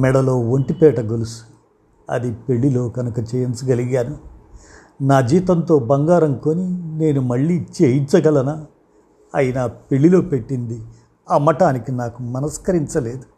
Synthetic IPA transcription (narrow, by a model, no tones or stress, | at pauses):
mɛɽɐlo̞ːʋoɳʈipɛːʈɐɡolusu̥ | ɐ̰d̪ipe̞ɭːilo̞ːɡɐnukɐt͡ʃɛjɐnt͡ʃuɡɐliɡaːnu | naːd͡ʒiːt̪ɐnt̪o̞ːbɐŋɡaːɾɐŋkoːnine̞ːnumɐɭːiːt͡ʃejint͡ʃɐɡɐlɐnɐ | ɐjinɐpe̞ɭːilo̞ːpe̞ʈːind̪i | ɐmɐʈaːnikinaːkumɐnɐskɐɾiɲt͡ʃɐle̞ːd̪u